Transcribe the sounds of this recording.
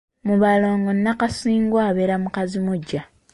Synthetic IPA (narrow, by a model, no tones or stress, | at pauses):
muβaloːŋɡonːakasiːŋɡwaβeɾamukazimuɟa